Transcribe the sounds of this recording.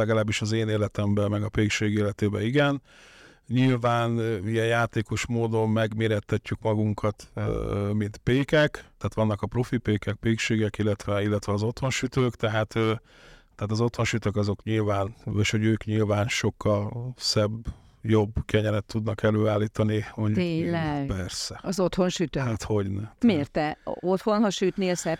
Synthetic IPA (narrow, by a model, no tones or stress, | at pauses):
lɛɡɒlaːbːiʃɒzeːneːlɛt̪ɛmbɛmɛɡɒpeːkʃeːɡeːlɛt̪eːbɛiɡɛn | ɲilvaːnijɛjjaːt̪eːko̞ʃmoːd̪o̞mmɛɡmeːɾɛt̪ʰːɛcːykmɒɡuŋkʰɒt̪ | mint̪peːkɛkt̪ɛːt̪ʋɒnːɒkɒpro̞fipeːkɛk̚peːkʃeːɡɛkilːɛt̪ʋɛilːɛt̪ʋɛɒzo̞t̪honʃyt̪øːkt̪ɛɦaːt̪ø | t̪ɛɦat̪ɒzo̞t̪ho̞nʃyt̪økɒzo̞kɲilvaːneʃoɟøːkɲilvaːnʃo̞kʰːɒlsɛb | jo̞bkɛɲɛɾɛt̪ʰːud̪nɒkɛløːaːlːiːt̪ɒniot̪eːlɛpɛrsɛɒzot̪honʃyt̪øat̪ho̞ɟnɛmeːrt̪ɛo̞t̪honhɒʃyt̪neːlsɛ